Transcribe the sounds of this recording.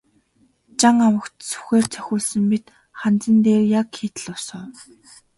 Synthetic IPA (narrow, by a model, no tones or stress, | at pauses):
t͡ɕaŋawə̆kt̪su̥xeːr̥t͡sʰœ̥xʲʊːɮsə̆mpit̪ | χant͡sə̆nt̪eːrjakxeːt̪ə̆ɮʊsə̆ː